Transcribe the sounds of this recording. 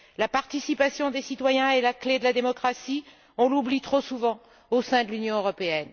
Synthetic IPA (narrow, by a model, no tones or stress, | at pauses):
lapaʁt̪isipasjɔ̃d̪esit̪wajɛ̃elakled̪əlad̪emɔkχasi | ɔ̃lublit̪χosuvɑ̃ | osɛ̃d̪əlynjɔ̃øʁɔpeɛn